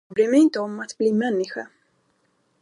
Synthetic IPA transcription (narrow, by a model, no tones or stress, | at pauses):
bɾeːmɛɪnt̪əɔmat̪bliːmɛnːɪɧa̰